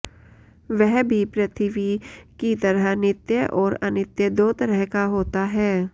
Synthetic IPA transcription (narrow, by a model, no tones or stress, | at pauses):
ʋɛɦbʱipɾɐt̪ʰɪʋikit̪ɐɾəɦnɪt̪jəʔɔːɾɐnɪt̪jəd̪oːt̪ɐɾəɦkaɦoːt̪aɦɛː